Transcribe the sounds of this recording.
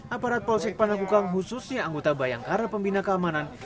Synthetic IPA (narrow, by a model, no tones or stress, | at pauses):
ʔapaɾat̪̚pɔlsɪk̚pənakukaŋɦususɲaːŋɡot̪abajaŋkaɾapəmbinakəamanan